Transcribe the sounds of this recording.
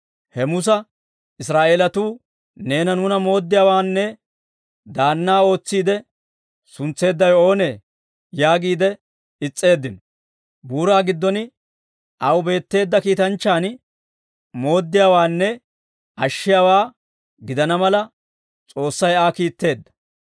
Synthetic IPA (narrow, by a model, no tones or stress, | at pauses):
hɛmʊs̬ɐ | ɪsɾaːʔeːlɐt̪uː | ne̞ːnɐnuːnɐmo̞ːd̪ːɪjaːwaːnːɛ | d̪aːnːaːo̞ːt͡sːiːd̪ɛ | sʊnt͡sːe̞ːd̪ːɐjo̞ːneː | jaːɡiːd̪ɛ | ɪt͡sʼːe̞ːd̪ːɪnɔ | buːɾaːɡɪd̪ːɔnɪ | ʔɐwbe̞ːt̪ːe̞ːd̪ːɐkiːt̪ɐnt͡ʃːaːn | mo̞ːd̪ːɪjaːwaːnːɛ | ʔɐʃːɪjaːwaː | ɡɪd̪ɐnɐmɐlɐ | t͡sʼo̞ːsːɐjaːkiːt̪ːe̞ːd̪ːɐ̥